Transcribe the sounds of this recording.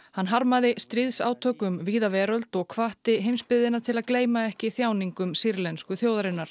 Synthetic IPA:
hanːɦaɾmaðɪst̪ɾɪðsa̰ːwt̪ʰœːkʏmviːðavɛːɾœlt̪ɔɣkʰvaht̪ɪɦejmspɪðɪnːat̪ʰɪlaðkleːjmaɛhcɪθjaːwniŋkʏmsiɾlɛnskʏθjoːwðaɾɪnːaɾ̥

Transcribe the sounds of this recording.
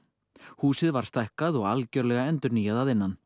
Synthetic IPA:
huːsɪðvaɾ̥st̪ajhkaðɔɣalcœɾlɛɣaɛnt̪ʏɾnijaðaðɪnːan

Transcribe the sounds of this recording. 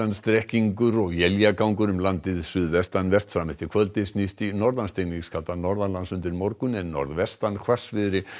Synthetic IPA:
anst̪ɾɛhciŋkʏɾɔɣjɛljakawŋkʏɾʏmlant̪ɪðsʏðvɛst̪anvɛr̥t̪sɾamɪht̪ɪkʰvœlt̪ɪsnist̪inɔɾðanst̪ejniŋskʰalt̪anɔɾðanlansʏnt̪ɪɾmɔɾkʏnɛnːɔ̰ɾðvɛst̪ankʰv̥ḁsvɪðɾɪ

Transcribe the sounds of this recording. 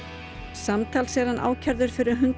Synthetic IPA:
samt̪ʰalsɛːðanʔa̰ːwcʰaɾðʏɾ̥fɪɾʏɾɦʏnt̪

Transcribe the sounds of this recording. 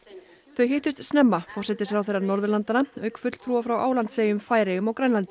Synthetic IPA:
θœɥɦejht̪ʏst̪snɛmːafɔrsɛt̪ɪsfɾawθejrːaɾnɔɾðʏlant̪anaœːɥkfʏt̪l̥t̪ʰɾuːvafɾawʔaːwlant̪seːjʏmfaːjɾejʏmawkɾajnlant̪ɪ

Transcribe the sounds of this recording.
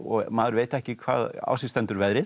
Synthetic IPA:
ɔ̰ɣmaːðɾveːjt̪aɛhcɪkʰva̰ːða̰ːwsɪst̪ɛnt̪ʏɾvɛðɾɪ

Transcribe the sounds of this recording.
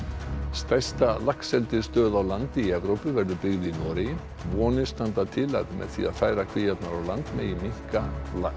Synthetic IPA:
st̪ajst̪alahksɛlt̪ɪɾ̥st̪œːðawlant̪ɪiɛvɾowpʏvɛɾðʏpɪɣðɪinɔːɾɪ | vɔːnɪst̪ant̪at̪ʰɪla̰ðmɛ̰ðθḭa̰ðfaːjɾakʰv̥ɪjat̪naɾawlant̪mɛ̰ðimiŋ̥kal

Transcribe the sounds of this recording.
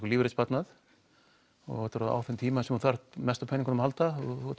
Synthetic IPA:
kɔliːvɾet̪spat̪nað | ɔ̰ɣɔt̪ɾaða̰wθɛnt̪ʰiːmasɛmɔɾθar̥t̪mɛst̪apʰɛːniŋkanmhalt̪aɔɔ

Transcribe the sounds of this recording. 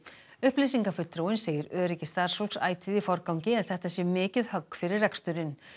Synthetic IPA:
ʏhplɪs̬iŋkafʏt̪ːɾowɪnseːjɪɾœːɾicɪst̪aːɾ̥solsa̰ːjt̪ʰiðɪfɔɾkawŋcɪɛnθɛht̪asjɛmɪːcɪðhœkːfɪɾɪɾrɛkst̪ʏɾɪn

